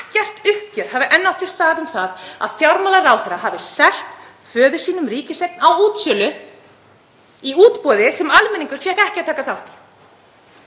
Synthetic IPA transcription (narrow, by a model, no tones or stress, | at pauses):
cɛr̥t̪ʏhcʏɾ̥havɪʔɛnːawt̪vɪst̪aːɣðʏmθaða̰ðfjawɾmalaraːwθɛɾahavɪsɛl̥t̪ | fœːðɪsiːnʏmɾiːcɪsejknawuːt̪sjœlʏ | iuːt̪pɔːðɪsɛmalmɛniŋkʏɾ̥fjɛɣɛhcɪat̪ʰaːkaθawht̪